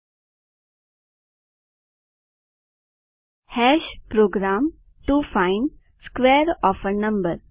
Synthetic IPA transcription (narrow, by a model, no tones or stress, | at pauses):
hɛʃpɾoːɡɾaːm | ʈufãɪn | skʋeːɾɔːfənɐ̃mbəɾ